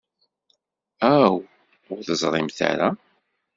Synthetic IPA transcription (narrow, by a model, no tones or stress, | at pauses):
æw | ʊɾðəzˤɾˤɪmθa̰ɾa